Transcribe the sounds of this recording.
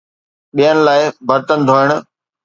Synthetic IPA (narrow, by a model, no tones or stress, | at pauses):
ɓijənɪ̆laːɪbɐɾt̪ənd̪ʱoːɪɽ̃ʊ̆